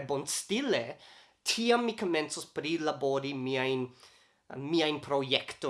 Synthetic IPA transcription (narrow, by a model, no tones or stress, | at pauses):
bonstile | tʰiamːikoment͡suspɾilaboɾimiajn | miajnpʰɾojekto